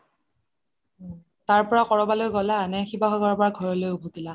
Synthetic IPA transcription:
taɹpɔɹakɔɹɔbalojɡɔlaːnɛxibaxɔɡɔɹpɔɹaɡʱɔɹɔlojubʱutila

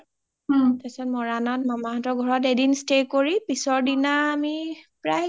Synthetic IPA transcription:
ɔtasɛtmɔɹanɔt̚mamaɦɔtɔɹɡʱɔɹɔtedinstekoɹipisɔɹdinaːmipɹaj

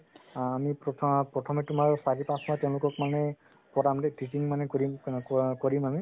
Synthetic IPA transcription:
amippɹɔtʰɔmɛtumaɹsaɹipãsmateʊ̃lʊkɔkmanɛ | pɔɹamdetitiŋmanɛkoɹimkɔɹimami

